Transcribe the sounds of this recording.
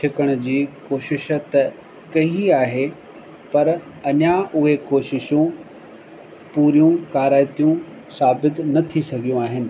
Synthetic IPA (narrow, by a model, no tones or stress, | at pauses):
t͡ʃʰɪkəɽ̃ʊ̆d͡ʑiːkoːʃɪʃt̪ɐ | kɐɦiaːɦe | pɐɾ | ɐɲaʔʊɦekoːʃɪʃũ | puːɾijũkaːɾaːɪt̪ijũ | saːbɪt̪nɐt̪ʰisɐɡʱijũaːɦɪnɪ̆